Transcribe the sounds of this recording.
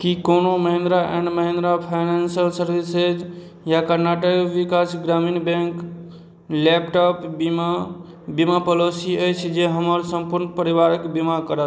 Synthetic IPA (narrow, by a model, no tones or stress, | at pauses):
kikonoməɦẽnd̪ɾaʔɛ̰̃ɳɖməɦẽnd̪ɾapʰaɪnensəlsəɾʋised͡ʒ | jakəɾnaʈəkʋikasɡɾaminbẽŋk | lep̚ʈɔp | bimapəlosiəjt͡ʃʰd͡ʒeɦəməɾsəmpuɾnpəɾiʋaɾəkbimakəɾə